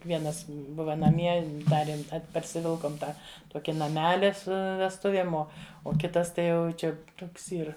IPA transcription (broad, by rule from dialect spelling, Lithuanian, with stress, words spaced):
ʋʲiɛˈnɐs ˈbʊʋɐ nɐˈmʲiɛ ˈdɑːrʲeːm ˈɐt pɐrʲsʲɪˈʋʲɪlˠkoːm ˈtɑː ˈtoːkʲɪ nɐˈmʲæːlʲɪ ˈsʊ ʋʲɛsˈtʊʋʲiɛm ˈoː oː ˈkʲɪtɐs ˈtɐɪ ˈjɛʊ ˈt͡ʃʲɛ ˈtoːks ˈiːr